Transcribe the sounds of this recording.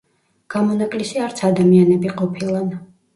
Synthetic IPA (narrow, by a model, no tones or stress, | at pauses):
ɡ̥amɔnakʼlisiaɾt̪sʰad̪amianɛbiqʼɔpʰilˠan